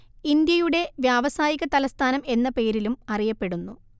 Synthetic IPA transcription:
ind̪jɐjuɽe̞ʋjaːʋɐsaːjiɣɐt̪ɐlɐst̪ʰaːnɐme̞nːɐpe̞ːɾilumɐrijɐpːe̞ɽunːu

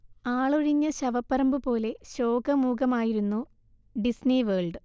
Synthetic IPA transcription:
aːɭuɻiɲːɐɕɐʋɐpːɐɾɐmbɨpo̞ːle̞ɕo̞ːɡɐmuːɡɐmaːjiɾunːu | ɖisniʋeːɭɖɨ

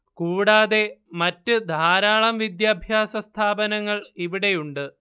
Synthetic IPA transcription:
kuːɽaːðe̞mɐtːɨd̪ʱaːɾaːɭɐmʋid̪jaːbʱjaːsɐst̪ʰaːbɐnɐŋːɐɭiʋiɽe̞juɳɖɨ

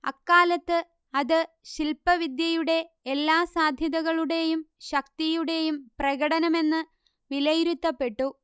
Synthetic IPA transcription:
ɐ̰kːaːlɐt̪ːɨ | ɐðɨ | ɕilpɐʋid̪jɐjuɽe̞ | elːaːsaːd̪ʱjɐðɐɣɐɭuɽe̞jumɕɐk̚t̪ijuɽe̞jumprɐɣɐɽɐnɐme̞nːɨ | ʋilɐjɾut̪ːɐpːe̞ʈːu

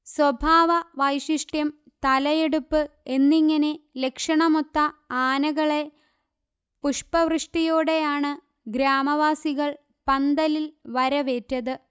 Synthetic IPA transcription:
swɐbʱaːʋɐʋɐjʂiʂʈjɐm | t̪ɐlɐje̞ɽupːɨe̞nːiŋːɐne̞le̞kʂɐɳɐmot̪ːɐaːnɐɣɐɭe̞ | puʂpɐʋrɨʂʈijoːɽe̞jaːɳɨ | ɡɾaːmɐʋaːsiɣɐɭ | pɐnd̪ɐlilʋɐɾɐʋe̞ːtːɐðɨ

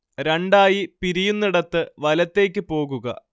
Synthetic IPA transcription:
ɾeɳɖaːjipiɾijunːiɽɐt̪ːɨʋɐlɐt̪ːe̞ːk̬ʲːɨpo̞ːɣuɣɐ̰

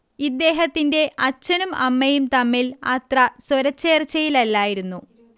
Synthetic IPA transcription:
id̪ːe̞ːɦɐt̪ːinde̞ʔɐt͡ɕːɐnumɐmːɐjumt̪ɐmːilɐ̰t̪rɐswɐɾɐt͡ɕːe̞ːrt͡ɕːɐjilɐlːaːjiɾunːu

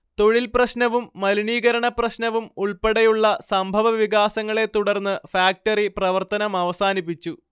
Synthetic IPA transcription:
t̪o̞ɻilprɐɕnɐʋumːɐluniːɣɐɾɐɳɐprɐɕnɐʋumuɭpeɽɐjuɭːɐsɐmbʱɐʋɐʋiɣaːsɐŋːɐɭe̞t̪ːuɽɐrnːɨfaːk̚ʈɐriprɐʋɐrt̪ɐnɐmɐʋɐsaːnip̬ːit͡ɕːu

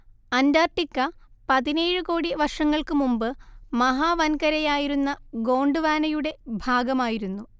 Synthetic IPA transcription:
ɐndaːrʈːikːɐ | pɐðineːɻɨkoːɽiʋɐrʂɐŋːɐɭkɨmumbɨmɐɦaːʋɐnkɐɾɐjaːjiɾunːɐɡo̞ːɳɖɨʋaːnɐjuɽe̞bʱaːɡɐmaːjiɾunːu

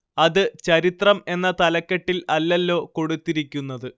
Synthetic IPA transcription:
ɐðɨt͡ɕɐɾit̪rɐme̞nːɐt̪ɐlɐkːɐʈːilɐlːɐlːo̞ːko̞ɽut̪ːiɾikʲːunːɐðɨ

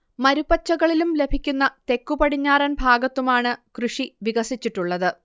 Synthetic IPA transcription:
mɐɾubɐt͡ɕːɐɣɐɭilumle̞bʱikʲːunːɐt̪e̞kːubɐɽiɲːaːɾɐnbʱaːɡɐt̪ːumaːɳɨkrɨʂiʋiɣɐsit͡ɕːiʈːuɭːɐðɨ

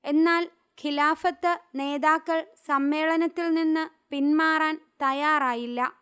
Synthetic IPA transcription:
e̞nːaːl | kʰilaːfɐt̪ːɨne̞ːðaːkːɐɭsɐmːe̞ːɭɐnɐt̪ːilninːɨpinmaːraːnt̪ɐjaːraːjilːɐ

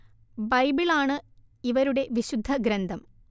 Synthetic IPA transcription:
bɐjbiɭaːɳɨ | iʋɐɾuɽe̞ʋiɕud̪ʱːɐɡɾɐnd̪ʱɐm

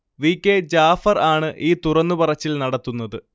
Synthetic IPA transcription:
ʋiːkʲːed͡ʑaːfɐraːɳɨʔiːt̪urɐnːupɐrɐt͡ɕːilnɐɽɐt̪ːunːɐðɨ

